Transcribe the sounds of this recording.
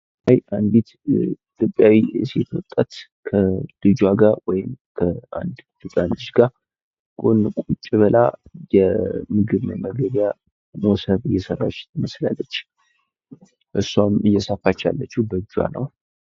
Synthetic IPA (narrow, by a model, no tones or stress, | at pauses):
hajand̪it̪it̪ʰʼo̞pʼːjawiset̪ʰwɔt̪ʼːat̪ | kʰəd̥ɨd͡ʒwaɡawɔjɪmkʰəa̰nd̪t̪ɨt͡sʼant̪ɨʃɡa | kʼonkʼut͡ʃʼːiβəla̰jɛmɨɡɨβnəməɡəβja | nosəβɨjːɛsərːa̰t͡ʃːt̪ʰɨməslalːət͡ʃː | ʔɨsːamɨjːɛsəfat͡ʃːa̰lːət͡ʃːubəd͡ʒwa̰nə̰w